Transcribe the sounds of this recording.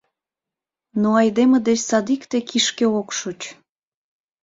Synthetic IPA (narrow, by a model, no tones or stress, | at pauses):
noɑjd̪emed̪et͡ɕsɑd̪ikt̪ekʰiʃkeokʃut͡ɕ